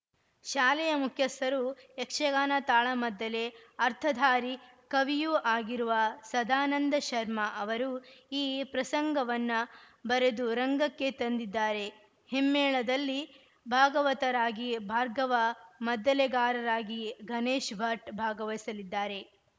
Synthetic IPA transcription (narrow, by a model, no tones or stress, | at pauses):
ʃaːlɛjɐmukʰjɐsɐɾuekʂɐɡaːnɐt̪aːɭɐmɐd̪ːɐleɐɾt̪ʰɐd̪ʱaːɾi | kɐʋijuʔaːɡiɾuʋɐsɐd̪aːnɐnd̪ɐʃɐɾmɐʔɐʋɐɾuiːpɾɐsɐŋɡɐʋɐnːɐ | bɐɾe̞d̪uɾɐŋɡɐkːe̞t̪ɐnd̪id̪ːaːɾe̞ | himːɛːɭɐd̪ɐlːi | bʱaːɡɐʋɐt̪ɐɾaːɡibʱaːɾɡɐʋɐmɐd̪ːɐlɛɡaːɾɐɾaːɡiɡɐneːʃbʱɐʈbʱaːɡɐʋɐjisɐlid̪ːaːɾe̞